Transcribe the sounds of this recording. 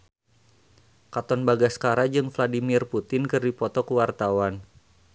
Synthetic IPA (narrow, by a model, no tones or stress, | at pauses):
kat̪ɔnbaɡaskaɾad͡ʒɨŋfladimɪrput̪ɪnkɨrdipɔt̪ɔkuwart̪awan